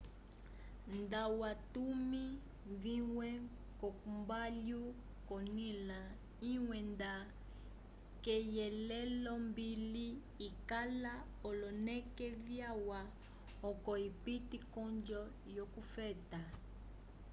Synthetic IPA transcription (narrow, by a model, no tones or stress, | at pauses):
ndawatumi | viwɛ | kɔkumbalju | kɔnila | iwɛnda | kɛjɛlɛlɔmbili | ikala | ɔlɔnɛkɛvjawa | ɔkɔipitikɔnd͡ʒɔ | jɔkufɛta